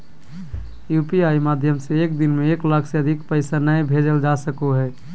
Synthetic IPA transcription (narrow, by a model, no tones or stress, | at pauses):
jupiaimad̪ʱjəmseek̚d̪inmeeklakʰseəd̪ʱikpəɪsanəẽbʱed͡ʒəld͡ʒasəkoɦɛː